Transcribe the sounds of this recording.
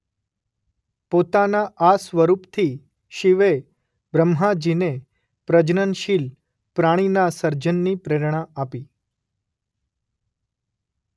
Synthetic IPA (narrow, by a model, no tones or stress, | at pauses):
pot̪anaʔasʋəɾupt̪ʰi | ʃiʋe | bɾəmɦad͡ʒine | pɾəd͡ʒnənʃil | pɾaɽ̃inasəɾd͡ʒənːipɾeɾɳ̃aapi